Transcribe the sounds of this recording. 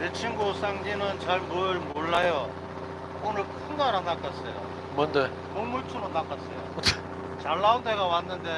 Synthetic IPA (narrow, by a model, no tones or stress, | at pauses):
net͡ɕʰiŋɡus͈aŋd͡ʑinɯnt͡ɕaɭmɯɭmoɭːajʌ | onɯɭkʰɯnɡaɾanːak͈as͈ʌjo̰ | mʌnde | koŋmuɭtʰumonak͈as͈ʌjo̰t | t͡ɕaɭːaunde̞ɡawanːɯnde̞